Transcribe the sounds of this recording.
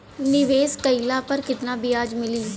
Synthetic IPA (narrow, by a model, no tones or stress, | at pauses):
nɪʋeːskəilaːpəɾkɪt̪naːbɪjaːd͡ʒmɪliː